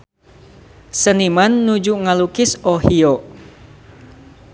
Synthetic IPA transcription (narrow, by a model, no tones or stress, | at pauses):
sənimanːud͡ʒuʔŋalukɪsohio